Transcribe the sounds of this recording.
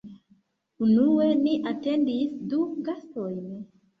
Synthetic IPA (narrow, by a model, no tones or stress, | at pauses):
unue̞niʔate̞ndisduɡasto̞jn